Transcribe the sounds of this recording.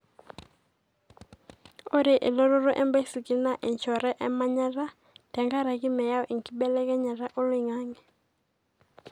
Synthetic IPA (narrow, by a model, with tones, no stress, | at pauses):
o˦ɾe˨ʔe˨lo˦ɾo˦ɾo˦ʔɛ˦mba˦i˦su˨ki˨na˦ʔɛ˨ɲt͡ʃɔ˨ɾɛ˦ʔɛ˦ma˦ɲa˦ɾa˦ | tɛ˨ŋɡa˦ɾa˨ki˦mɛ˨ja˦ɔ˦ʔi˨ŋki˦bɛ˦lɛ˦kɛ˦ɲa˨ɾa˦ʔo˦lwɪ˨ŋa˦ŋɛ˨